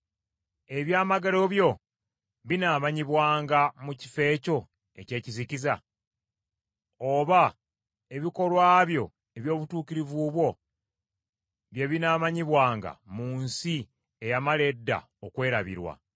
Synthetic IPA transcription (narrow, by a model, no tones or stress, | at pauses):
eβjaːmaɡalo̞βjo̞ | βinaːmaɲiβwaːŋɡamuci̥fe̞ːco̞ | e̞̰ce̞ːciziciza | oβa | e̞βiko̞lwaːβjo̞ | e̞βjo̞ːβutuːkiɾivuβwo̞ | βjeβinaːmaɲiβwaːŋɡa̰muːnsi | ejamale̞dːa̰ | okwe̞ːɾaβḭɾwa̰